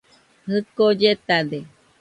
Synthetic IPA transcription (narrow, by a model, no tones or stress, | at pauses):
hɨkod͡ʒet̪ad̪e